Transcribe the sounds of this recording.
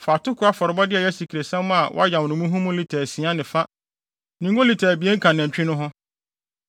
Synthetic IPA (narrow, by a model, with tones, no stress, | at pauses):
fa˨tʊ˦kʰʊ˨˦a˦fɔ˨ɾɪ˨bɔ˦dɪ˦ɛ˨jɛ˦si˨kʰi˨ɾe˨sɛ̃˦mmʊ̃˦a˨wɔ̰˦a˦jã˨wnʊ̃˨mũ˦ɦũ˦mʊ̃˦li˨tʰɛː˨sĩ˨ã˦nɪ̃˨fa˦ | nĩ˨ŋɡõ˦li˨tʰɛ˨bi˨e˦ŋ̩˦kʰã˨nɪ̃˨ɲ˨t͡ɕᶣɪ̃˦nʊ̃˦ɦʊ̃˦